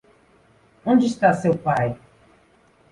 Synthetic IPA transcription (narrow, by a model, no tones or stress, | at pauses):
õnd͡ʒɪist̪asewpaj